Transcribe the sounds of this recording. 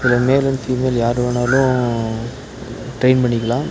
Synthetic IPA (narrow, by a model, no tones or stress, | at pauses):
sɪlɐmeːlɐnfiːmeːljaːɾɯʋɐnaːlʊ̃ | ʈɾeɪnpɐɳːɪkːɐlãː